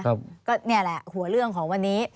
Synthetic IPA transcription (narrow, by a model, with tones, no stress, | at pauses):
a˦˧p̚kɔː˥˩ni˥˩əlɛ˨˩hu˨˩˦ɐɾɯ˥˩əŋkʰɔː˩˦ŋwa˧nːiː˦˥